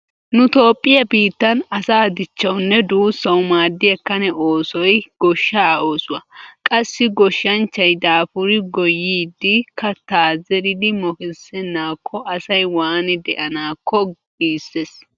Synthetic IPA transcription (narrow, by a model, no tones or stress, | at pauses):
nʊt̪o̞ːpʼːɪjɐbiːt̪ːɐnɐsaːd̪ɪt͡ʃːɐwnːɛd̪uːsːɐwmaːd̪ːɪjɐkːɐnɛʔo̞ːsɔjɡ̥ɔʃːaːo̞ːsʊwɐkʼɐsːɪɡɔʃːɐnt͡ʃːɐjd̪aːfʊɾɪɡɔjːiːd̪ːɪkɐt̪aːzɛɾɪd̪ɪmɔkɛsɛnːaːkʰːɔʔɐsɐjwaːnɪd̪ɛ̰ʔɐnaːkːɔ | iːsːes